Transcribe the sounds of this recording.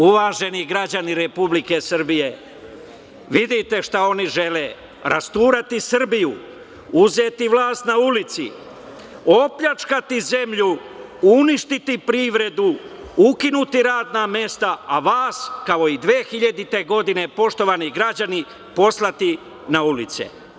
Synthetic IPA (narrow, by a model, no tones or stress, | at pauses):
uʋaːʒe̞niɡɾad͡ʑaniɾepublike̞sr̩bije̞ | ʋid̪it̪e̞ʃt̪ao̞niʒe̞le | ɾast̪uːɾat̪isr̩biju | uzeːt̪iʋlaːst̪naulit̪sḭ | o̞pʎat͡ʃkat̪ize̞mʎu | uniʃt̪it̪ipɾiːʋɾe̞d̪u | ukinut̪iɾaːd̪name̞st̪aaʋaːskao̞id̪ʋeːxiʎad̪it̪e̞ɡo̞d̪ine̞po̞ʃt̪o̞ʋaniɡɾad͡ʑani | po̞slˠat̪i | naulit̪sḛ